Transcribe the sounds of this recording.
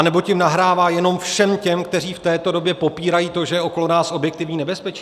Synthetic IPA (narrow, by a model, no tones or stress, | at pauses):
nɛbo̞cɪmnaɦɾaːvaːjɛno̞mfʃɛmcɛmkt̪ɛr̝iːft̪ɛːt̪o̞do̞bjɛpo̞piːɾajiːt̪o̞ʒɛjɛʔo̞ko̞lo̞naːsʔo̞bjɛk̚t̪ɪvɲiːnɛbɛspɛt͡ʃi